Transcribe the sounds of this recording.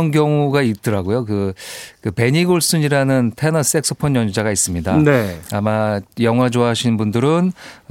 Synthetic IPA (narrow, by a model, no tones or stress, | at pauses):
ʌnɡjʌŋuɡait͈ɯɾaɡojok̬ɯkɯpe̞ɲiɡoɭs͈uɲiɾanɯntʰe̞nʌs͈e̞k̚s͈ʰo̥pʰʌnjʌɲd͡ʑaɡais͈ɯmɲida̰neamajʌŋɦwad͡ʑoaɦɕʰinbundɯɾɯn